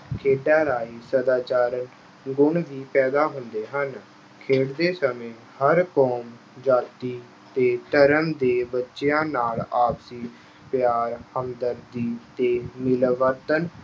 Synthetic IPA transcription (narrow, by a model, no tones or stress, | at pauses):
kʰeːɖaːɾaːiːsəd̪aːt͡ʃaːɾən | ɡʊɳʋiːpɛːd̪aːɦʊnd̪eːɦən | kʰeːɽd̪eːsəmẽː | həɾkɔːm | d͡ʒaːt̪iː | t̪eːt̪əɾəmd̪eːbətːʃjãːnaːlaːpsiː | pjaːɾhəmd̪əɾd̪iːt̪eːmɪlʋət̪ən